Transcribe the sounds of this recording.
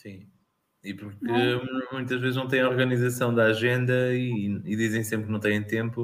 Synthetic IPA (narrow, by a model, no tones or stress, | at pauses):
sĩ | ipuɾkɨmũj̃t̪ɐʒvezʒnɐ̃w̃t̪ej̃ɔɾɣɐnizɐsɐ̃w̃d̪aaʒẽnd̪ɐiiðizẽj̃sẽmpɾknɐ̃w̃t̪ɐ̃j̃ɐ̃j̃t̪ẽmpu